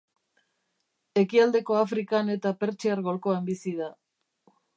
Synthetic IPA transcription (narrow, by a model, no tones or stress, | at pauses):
e̞kiald̪e̞ko̞afɾikane̞t̪ape̞ɾt͡ʃiaɾɣo̞lko̞ambisiða